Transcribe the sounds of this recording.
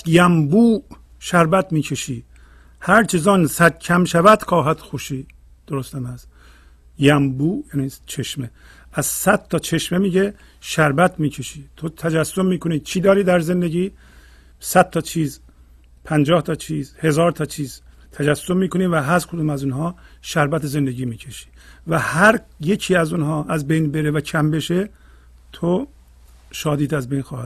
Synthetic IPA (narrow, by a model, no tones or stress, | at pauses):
jæmbuː | ʃæɾbæt̪miːcʰe̞ʃiː | hæɾt͡ʃʰezɒːnsæd̪̚cʰæmʃævæd̪̥kʰɒːɦæt̪xoʃiː | d̪̥oɾost̪æmæs | jæmbuːjæːnit͡ʃʰeʃme | æzsæd̪̥t̪ʰɒːt͡ʃʰe̞ʃmemiːɟe | ʃæɾbæt̪ʰmiːcʰe̞ʃiːt̪ʰot̪ʰæd͡ʒæsːobmiːkʰoniːt͡ʃʰiːd̪ɒːɾiːd̪æɾzend̪eɟiː | sæd̪̚t̪ɒːt͡ʃʰiːz | pʰænd͡ʒɒːht̪ʰɒːt͡ʃʰiːzhe̞zɒːɾt̪ʰɒːt͡ʃʰiːzt̪ʰæd͡ʒæsːommiːkoniːvæɦæɾkʰod̪umæzunɦɒː | ʃæɾbæt̪eze̞nd̪e̞ɟiːmiːcʰe̞ʃi̥ːvæhæɾje̞cʰiːæzunɦɒːʔæzbejnbe̞ɾevækʰæmbe̞ʃe | t̪ʰo | ʃɒːd̪iːd̪æzbejnxɒːhæd̪